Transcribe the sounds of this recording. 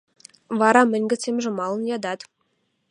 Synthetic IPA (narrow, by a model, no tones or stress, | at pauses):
vɑɾɑmɘ̆nʲɡʲɘ̆t͡semʒɘ̆mɑlˠə̆njɑd̪ɑt̪